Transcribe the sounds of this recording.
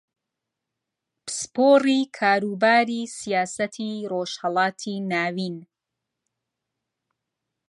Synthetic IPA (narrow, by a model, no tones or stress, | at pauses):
pɨ̥spoːriːkʰaːɾuːbaːɾiːsijaːsɐt̪ʰiroʃhɛlˠɑːt̪ʰinaːwin